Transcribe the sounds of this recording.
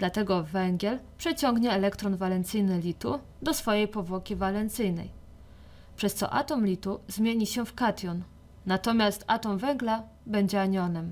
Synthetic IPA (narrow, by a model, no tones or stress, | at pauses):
d̪lat̪ɛɡɔvɛŋɡʲjɛlpʂɛt͡ɕɔŋɡɲɛːlɛkt̪ɾɔnvalɛnt̪sɘjnɘlʲit̪u | d̪ɔsfɔjejpɔvwɔkʲivalɛnt̪sɘjnɛ̰j | pʂɛst̪sɔ̰ʔa̰t̪ɔmlʲit̪uzmʲjeɲiɕɛfkat̪ʲjɔnː | at̪ɔmʲjast̪a̰t̪ɔmvɛŋɡla | bɛɲd͡ʑɛaɲɔnɛm